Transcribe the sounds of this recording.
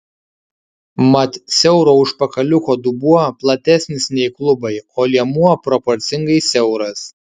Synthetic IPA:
mɐt̪ʲsʲɛʊɾoːʊʃpɐkɐlʲʊkoːd̪ʊbuɔplˠɐt̪ʲæsʲnʲɪsnʲɛɪklˠʊbɐɪoːlʲiɛmuɔpɾɔpɔɾʲt̪sʲɪŋɡɐɪsʲɛʊɾɐs

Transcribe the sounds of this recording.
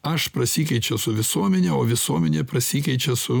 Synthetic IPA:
ɐʃpɾɐsʲiːkʲɛɪt͡ʃʲɛsʊʋʲɪsuɔmʲɛnʲɛoːʋʲɪsuɔmʲɛnʲeːpɾɐsʲiːkʲɛɪt͡ʃʲɛsʊ

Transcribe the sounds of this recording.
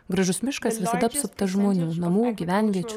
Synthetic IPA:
ɡɾɐʒʊsmʲɪʃkɐsʋʲɪsɐd̪ɐpsʊpt̪ɐʒmoːnʲuːnɐmuːɡʲiʋʲænʲʋʲiɛt͡ʃʲu

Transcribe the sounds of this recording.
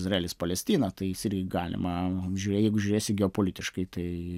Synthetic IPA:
zrɐeːlʲɪspɐlʲɛsʲt̪ʲiːnɐt̪ɐɪjɪsɪrʲɡʲɪɡɑːlʲɪ̰mɐʒʲuɾʲeːjɛɪɡʊʒʲuɾʲeːsʲɪɡʲɛoːpoːlʲɪt̪ʲɪʃkɐɪt̪ɐɪ

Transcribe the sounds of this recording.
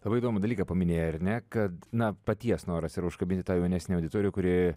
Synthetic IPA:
lˠɐbɐɪiːd̪oːmʊd̪ɐlʲiːkɐpɐmʲɪnʲeːjɛɐɾʲnʲɛkɐt̪nɐpɐt̪ʲiɛsnoːɾɐsɪɾʊʃkɐbʲɪnt̪ʲɪt̪ɑːjɛʊnʲæːsʲnʲeɐʊdʲɪt̪oːɾʲkʊɾʲɪ

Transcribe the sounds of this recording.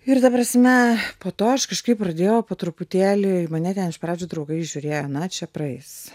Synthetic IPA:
ɪrt̪ɐpɾɐsʲmʲɛpoːt̪oːɐʃkɐʃkɐɪpɾɐd̪ʲeːjɛʊpoːt̪ɾʊpʊt̪ʲæːlʲɪɪmɐnʲɛt̪ʲɛnɪʃpɾɑːd͡ʒʲʊːd̪ɾɐʊɡɐɪʒʲʊɾʲeːjonɐt͡ʃʲɛprɐɛɪs

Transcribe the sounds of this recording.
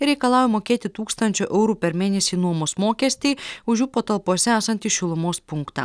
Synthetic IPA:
ɪɾʲɛɪkɐlˠɑːjʲɛmoːkʲeːt̪ʲɪt̪uːkst̪ɐnʲt͡ʃʲoːʔɛʊɾuːpʲɛɾmʲeːnʲɛsʲiːnuɔmoːsmoːkʲɛsʲt̪ʲiːʊʒʲjuːpoːt̪ɐlˠpuɔsʲɛæːsɐnʲt̪ʲiʃʲɪlˠʊmoːspʊŋkt̪ɑ̰ː

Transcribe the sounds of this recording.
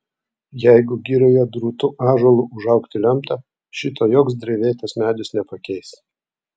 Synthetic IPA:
jɛɪɡʊɡʲiɾʲɛjoːd̪ɾuːt̪ʊʔɑːʒoːlˠuʔʊʒɐʊkt̪ʲɪlʲɛmt̪ɑ | ʃʲɪt̪oːjoːksd̪ʲɾʲɛʋʲeːt̪ɐsmʲæːd̪ʲʊsnʲɛpɐkʲɛɪs

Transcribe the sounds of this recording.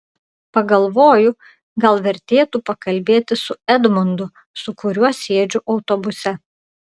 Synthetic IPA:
pɐɡɐlˠʋoːjʊ | ɡɐlˠʋʲɛɾʲt̪ʲeːt̪uːpɐkɐlʲbʲeːt̪ʲɪsʊɛd̪mʊnd̪ʊ | sʊkʊɾʲuɔsʲeːd͡ʒʲʊʔɒʊt̪ɔbʊsʲɛ

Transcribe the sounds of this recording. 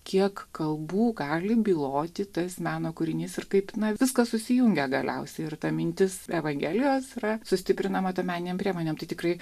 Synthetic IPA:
kʲiɛkkɐlˠbuːɡɑːlʲɪbʲiːlˠoːt̪ʲɪt̪ɐsmʲæːnoːkʊɾʲɪnʲiːsɪrkɐɪpnɐʋʋʲɪskɐssʊsʲɪjʊŋʲɡʲɛɡɐlʲɛ̰ʊsʲɛɪɪrt̪ɐmʲɪnʲt̪ʲɪsɛʋɐŋʲɡʲæːlʲɪjoːsɪrɐsʊsʲt̪ʲɪpʲɾʲɪnɐmɐt̪omʲæːnʲɪnʲeːmpʲɾʲiɛmoːnʲeːmt̪ɐɪt̪ʲɪkɾɐɪ

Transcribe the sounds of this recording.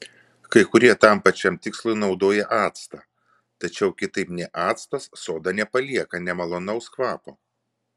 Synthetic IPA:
kɐɪkʊɾʲiɛt̪ɐmpɐt͡ʃʲɛmt̪ʲɪkslˠɐɪnɒʊd̪oːjɛʔɑːt̪st̪ɐː | t̪ɐt͡ʃʲɛʊkʲɪt̪ɐɪpnʲɛʔɑːt̪st̪ɐssoːd̪ɑnʲɛpɐlʲiɛkɐnʲɛmɐlˠɔnɐʊskʋɑːpoː

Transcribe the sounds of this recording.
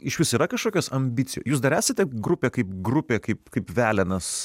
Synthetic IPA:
ɪʃʲʋʲɪsiːɾɐkɐʃkoːkʲoːsɐmʲbʲɪt̪sʲɪjo̰ːjuːsd̪ɐɾæːsʲɐt̪ʲɛɡɾʊpʲeːkɐɪp̚ɡɾʊpʲeːkɐɪpkɐɪpʋʲæːlʲɛnɐs

